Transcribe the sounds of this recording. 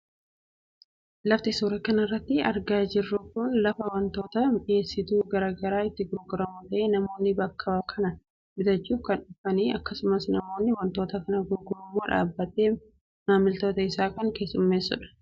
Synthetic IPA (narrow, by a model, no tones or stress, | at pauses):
lɐft̪ɪsuːɾɐkɐnɐɪrːɐt̪ːɪɐ̰ɾɡaːd͡ʒɪrːʊkʊnlɐfɐwɐnt̪o̞ːt̪ɐme̞ːsːɪt̪uːɡɐɾaːɡɐɾaːɪt̪ːɪɡʊɾɡʊɾɐmut̪ɐʔeːnɐmo̞ːnːɪbɐkʰːɐbɐkʰɐnɐ | mɪd̪ɐt͡ʃːuːfkɐnᶑʊfɐniːɐkːɐsʊmɐsnɐmo̞ːnːɪwɐnt̪o̞ːt̪ɐkɐnɐɡʊɾɡʊɾʊmːoːᶑa̰ːbːɐt̪eː | maːmːɪlt̪o̞ːt̪ɐɪsaːkɐŋke̞ːsːʊmːe̞ːsːʊ̰ᶑɐ̥